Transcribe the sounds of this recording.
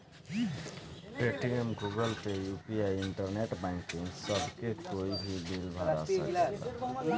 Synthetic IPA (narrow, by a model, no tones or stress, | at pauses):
ʈɾeʈiemɡuɡəlpejupiaiiɳʈəɾneʈbaɪkĩŋsəbkekoibʱibilbʱaɾaə̰kl̰la̰